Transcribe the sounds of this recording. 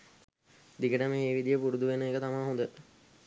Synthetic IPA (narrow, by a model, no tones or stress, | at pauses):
d̪ikəʈəmeːʋid̪ijəpuɾud̪uʋenəeːkət̪amaɦõnd̪ə